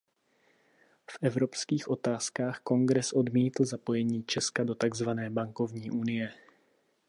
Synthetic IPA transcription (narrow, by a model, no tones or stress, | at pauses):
fʔɛvɾo̞pskiːxʔo̞t̪aːskaːxko̞ŋɡɾɛsʔo̞dmiːt̪l̩zapo̞jɛɲiːt͡ʃɛskado̞t̪aɡzvanɛːbaŋko̞vɲiːʔunɪjɛ